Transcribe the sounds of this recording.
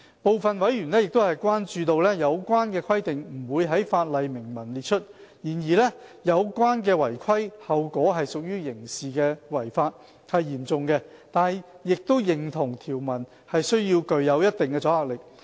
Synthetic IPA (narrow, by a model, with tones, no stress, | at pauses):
po˨wfɐ˨nwɐ˨˥jɥyː˨˩nlɛː˥jɪ˨k̚t̪o˥whɐ˨jkwaː˥nt͡ʃyː˧t̪o˨˧wlɛ˥jɐ˨˧wkʷwaː˥nkɛː˧kʰɐ˥jt̪ɪ˨ŋm̩˨˩wuː˨˧jɦɐ˨˥jfaː˧t̚lɐ˨jmɪ˨˩ŋmɐ˨˩nliː˨t̚t͡ʃʰɵ˥t̚jiː˨˩njiː˨˩lɛ˥jɐ˨˧wkʷaː˥nkɛː˧wɐ˨˩jkʰɐ˥jhɐ˨wkʷɔː˨˥ɦɐ˨jsʊ˨k̚jyː˥jɪ˨˩ŋsiː˨kɛː˧wɐ˨˩jfaː˧t̚ | hɐ˨jːiː˨˩mt͡sʊ˨ŋkɛ˧t̪aː˨˩n˨ | jɪ˨k̚t̪o˥wjɪ˨ŋt̪ʰʊ˨˩ŋt̪ʰiː˨˩wmɐ˨˩n | hɐ˨jsɵ˥ɥjiː˧wkɵ˨ɥjɐ˨˧wjɐ˥t̚t̪ɪ˨ŋkɛː˧t͡sɔː˨˥haː˨k̚lɪ˨k̚